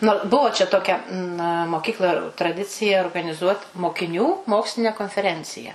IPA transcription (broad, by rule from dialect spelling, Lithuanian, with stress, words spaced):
ˈnʊ ˈbʊʋoː t͡ʃʲɛ ˈtoːkʲɛ nɐ moːˈkʲiːklˠɐ trɐˈdʲɪt͡sʲɪjɛ oːrɡɐnʲɪˈzuɔt moːkʲɪˈnʲuː ˈmoːksʲlʲɪnʲɛ koːnʲfʲɛˈrʲɛnʲt͡sʲɪjɛ